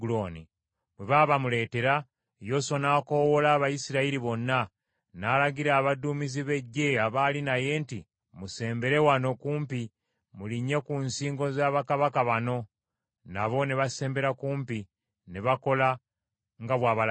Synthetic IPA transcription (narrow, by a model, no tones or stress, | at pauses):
ɡuloːni | mweβaβamule̞ːte̞ɾa | jo̞sonaːko̞wolaːβajisiɾaiɾiβo̞nːa | naːlaɡiɾaːβadumiziβe̞ɟːe̞aβaːlinaje̞ːnti | muse̞ːmbe̞ɾe̞wano̞kuːmpi | muliɲːe̞kunsiːŋɡo̞zaːβakaβakaβano̞ | na̰βo̞niβase̞ːmbe̞ɾakuːmpi | neβako̞la | ŋɡaβwaːβal